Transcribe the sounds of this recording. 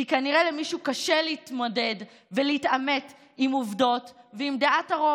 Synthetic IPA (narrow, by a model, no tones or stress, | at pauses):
ikaniʁelemiʃuːkaʃeleit̪mo̞de̞d | veleitamet | imuvdo̞tveimd̪eʔataʁo